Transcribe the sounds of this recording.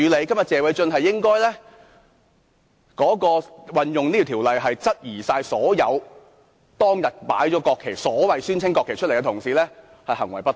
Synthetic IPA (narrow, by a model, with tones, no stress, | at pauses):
yː˨˧le˨˧jkɐ˥mjɐ˨t̚t͡sɛː˨wɐ˧jt͡ʃɵ˧nhɐ˨jːɪ˥ŋkɔː˥jlɛː˥ | kɔː˨˥kɔː˧wɐ˨njʊ˨ŋiː˥t̪ʰi˨˩t̪ʰiː˨˩wlɐ˨jɦɐ˨jt͡sɐ˥t̚jiː˨˩saː˧jsɔː˨˥jɐ˨˧w | t̪ɔː˥ŋjɐ˨t̚pa̰ː˨˥jt͡ʃɔː˨˥kɔː˧kʰe˨˩jsɔː˨˥wɐ˨jsyː˥nt͡sʰɪ˥ŋkɔː˧kʰːe˨˩jt͡ʃʰtle˨˩kɛ˧t̪ʰŋsiː˨˧lɛː˥ | hɐ˨jhɐ˨˩ŋwɐ˨˩jpɐ˥t